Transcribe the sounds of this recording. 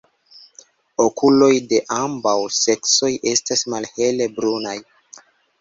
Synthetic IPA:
o̞kʰulo̞jde̞ʔambawse̞kso̞jʔe̞stasmalhe̞le̞bɾunaj

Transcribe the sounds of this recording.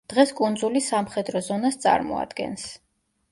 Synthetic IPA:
d̪̥ʁɛskʼund̪zulisamχɛd̪ɾɔzɔnast̪sʼa̰ɾmɔ̰a̰d̪̥ɡɛ̰ns

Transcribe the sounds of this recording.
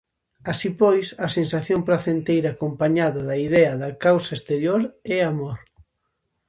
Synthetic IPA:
asipojsɐsensaθjõmpɾaθent̪ejɾaːkompaɲaðɐðɐiðɛɐðɐkawsɐest̪eɾjoɾɛamoɾ

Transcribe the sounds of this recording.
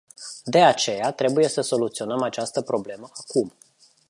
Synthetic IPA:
d̪e̞at͡ʃe̞jat̪ɾe̞buje̞səso̞lut̪sio̞nəmat͡ʃast̪əpɾo̞ble̞məakum

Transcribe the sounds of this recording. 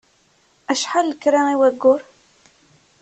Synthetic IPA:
æʃħallkɾæmiwæɡːʊɾ

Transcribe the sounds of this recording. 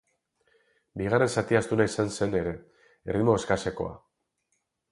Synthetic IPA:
biɣare̞nsat̪iast̪unaisanse̞ne̞ɾe̞ | ḛrimo̞eskase̞ko̞̰a̰

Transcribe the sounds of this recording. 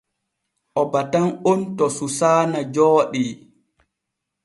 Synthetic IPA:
ʔɔbatanontɔsusaːnad͡ʒɔːɗi

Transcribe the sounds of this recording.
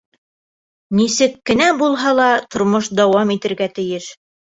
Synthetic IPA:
nisɘkːɘ̆næbulˠɦɑlˠɑt̪ŏɾmoʃd̪ɑwɑmit̪ɘ̆ɾɡæt̪ɘ̆jɘʃ

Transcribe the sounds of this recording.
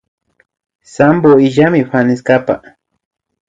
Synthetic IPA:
samboɪʒamɪpanɪskapa̰

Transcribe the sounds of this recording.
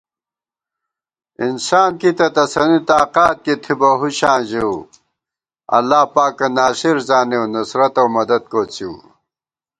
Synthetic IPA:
insaːnkit̪ɐt̪ɐsɐnit̪aːqaːt̪̚kit̪ʰibɐɦuɕãːʑew | ɐ̰lːaːpaːkɐnaːɕiɾzaːnewnusɾɐt̪ɐwmɐd̪ɐd̪̚koːt͡siw

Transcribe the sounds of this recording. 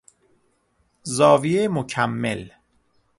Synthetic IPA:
zɒːvijemocʰæmːḛl

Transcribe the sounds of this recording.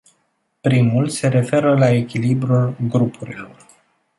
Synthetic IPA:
pɾimulse̞ɾe̞fe̞ɾəlae̞kʲilibɾulɡɾupʰuɾḭlo̞r

